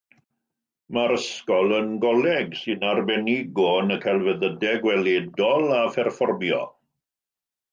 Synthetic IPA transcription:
maɾəskɔlˠənɡɔlɛɡsɨnarbɛniɡɔnəkʰalˠvəðədɛɡwɛleːdɔlˠafɛrfɔrbjɔ̰

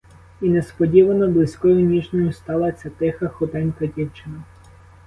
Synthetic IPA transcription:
inɛspɔdʲiʋɐnɔblˠɪsʲkɔjʊnʲiʒnʲɔjʊst̪ɑlˠɐt͡sʲɐt̪ɪxɐxɔt̪ɛnʲkɐdʲiwt͡ʃɪnɐ

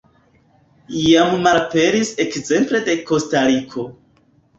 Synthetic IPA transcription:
ijammalpe̞ɾise̞kze̞mple̞de̞ko̞staɾikʰo̞

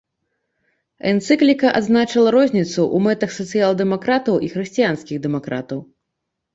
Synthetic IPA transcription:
ɛnt̪sɨklʲikɐʔa̰d̪znat͡ʂɐlˠɐɾɔzʲnʲit̪suʔumɛt̪ɐxsɐt̪sɨjalˠd̪ɛmakɾat̪ɐwʔixɾɨsʲt͡sʲijanskʲiɣd̪ɛmakɾa̰t̪ɐw

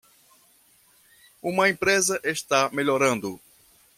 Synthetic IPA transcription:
ũmɐẽpɾezɐʔest̪ameʎoɾɐ̃nd̪ʊ

